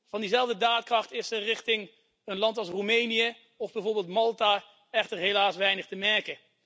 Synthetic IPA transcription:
v̥ɑndizɛlˠvdədaːtkrɑχtɪsərɪχtɪŋ | ənlɑntɑlˠsrumejnijə | ɔvbɛjvoːɹbeːlˠtmɑlˠtaː | ɛχtəɹɦelaːsʋɛjnəχtəmɛɹkə

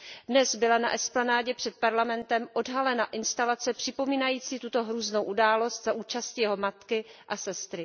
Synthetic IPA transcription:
dnɛzbɪlana̰ʔɛsplanaːɟɛpr̥ɛt̪̚paɾlamɛnt̪ɛmʔo̞dɦalɛnaʔɪnst̪alat͡sɛpr̥ɪpo̞miːnajiːt͡siːt̪ut̪o̞ɦɾuːzno̞wʔudaːlo̞st̪zaʔuːt͡ʃascijɛɦo̞mat̪kɪʔasɛst̪ɾɪ

